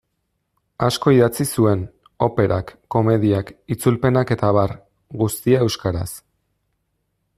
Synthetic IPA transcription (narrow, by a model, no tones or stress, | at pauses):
asko̞iðat͡sisue̞n | o̞pe̞ɾʔa̰kːo̞me̞ðiakit͡sulpe̞nake̞t̪aβ̞aɾ | ɡust̪iae̞wskaɾa̰s